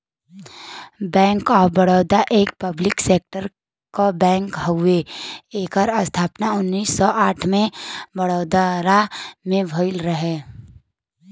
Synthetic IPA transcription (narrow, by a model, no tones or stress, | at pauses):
bɛ̃ːŋkɔːbɐɽoːd̪aʔeːk̚pɐblɪkseːk̚ʈəɾ | kobɛ̃ːŋkɦəʊeeːkəɾəst̪ʰaːpnaʊnːiːsːɔʔaːʈʰmẽbɐɽoːd̪aɾamẽbʱoɪlɾɐɦeː